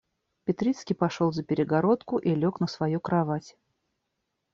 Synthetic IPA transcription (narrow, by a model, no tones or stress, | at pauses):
pʲɪt̪ɾʲit̪skʲijpɐʂolˠzəpʲɪɾʲɪɡɐɾo̞t̪kʊʔilʲoknəsvɐjukɾɐvatʲ